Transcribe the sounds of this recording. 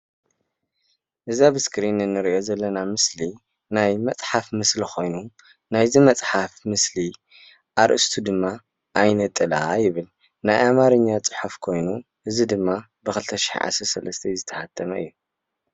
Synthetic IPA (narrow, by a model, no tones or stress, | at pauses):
ʔɨzabɨskʰɾinɨnːɨɾiʔo̞zɐlːɐnamɨsli | najmɐt͡sʼħafmɨslikʰo̞jnu | najzimɐt͡sʼħafmɨsli | ʔaɾʔɨst̪ʰud̪ɨmːa | ʔajnɐt̪ʼːɨlaajɪβɨl | najʔamaɾɨɲːat͡sʼɨ̥ħufkʰo̞jnu | ʔɨzid̪ɨmːa | bɨxɨlt̪ʰɐʃi̥ħḭʕa̰sɐɾsɐlɐst̪ʰɐjzɨt̪ʰːɐ̥hat̪ʰːɐmɐɨ̰jːu